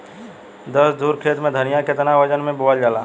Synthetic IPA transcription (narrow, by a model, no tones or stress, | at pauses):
d̪əsd̪uːɾkʰeːt̪mẽd̪ʱənijakɪt̪naʋəd͡ʒənmẽboəld͡ʒaːlaː